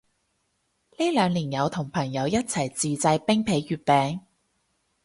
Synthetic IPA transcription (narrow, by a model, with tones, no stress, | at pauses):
liː˥lœː˨˧ŋliː˨˩njɐ˨˧wt̪ʰʊ˨˩ŋpʰɐ˨˩ŋjɐ˨˧wjɐ˥t̚t͡sʰɐ˨˩jt͡siː˨t͡sɐ˧jpɪ˥ŋpʰe˨˧jːyː˨˧t̚pɛː˨˧ŋ